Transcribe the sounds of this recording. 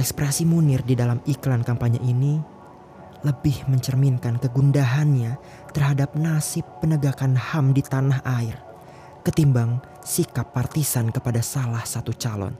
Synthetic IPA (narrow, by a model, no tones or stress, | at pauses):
ʔɛkspɾasimunɪrdidalamiklankampaɲə̰ʔini | ləbɪhməɲt͡ʃərminkankəɡundaɦanɲa | t̪ərɦadap̚nasɪpːənəɡakanhamdit̪anaɦʔaɪr | kət̪imbaŋ | sikapːart̪isankəpadasalahsat̪ut͡ʃalɔ̰n